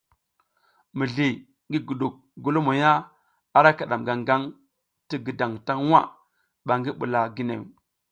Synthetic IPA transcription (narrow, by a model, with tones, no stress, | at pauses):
mi˨ɮi˨ | ŋɡi˦ɡu˨ɗu˨k̚ɡu˦lu˦mo˨ja˦ | a˦ɾa˦ka˨ɗa˨mɡa˨ŋɡa˦ŋ | ti˦ɡi˨da˨ŋta˦ŋ˦wa̰˦ | ɓa˨ŋɡi˦ɓṵ˨la˨ɡi˦nḛ˨